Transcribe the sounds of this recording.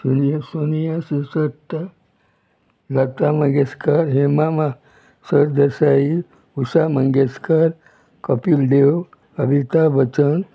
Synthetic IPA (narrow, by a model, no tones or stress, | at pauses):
njsonijasisət̪ːa | lat̪amə̃ɡeskaɾɦemama | səɾd̪əsai | usamə̃ŋɡeskaɾ | kəpiːlɖew | əbʱit̪abət͡sən